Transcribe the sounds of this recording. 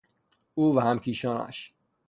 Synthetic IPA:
uːvæhæmkʰiːʃɒːnæ̰ʃ

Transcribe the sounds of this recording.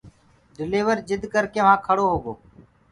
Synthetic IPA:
ɖɪliːʋəɾd͡ʒɪd̪ʱkəɾkẽːʋ̤ãːkʰəɽoːɦoːɡoː

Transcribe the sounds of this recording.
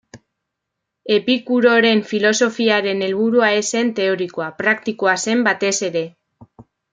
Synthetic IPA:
e̞pikuɾo̞ɾe̞ɱfilo̞so̞fiaɾe̞ne̞lβuɾuae̞se̞nt̪e̞o̞ɾikoapɾakt̪ikoase̞mbat̪e̞se̞ɾe̞

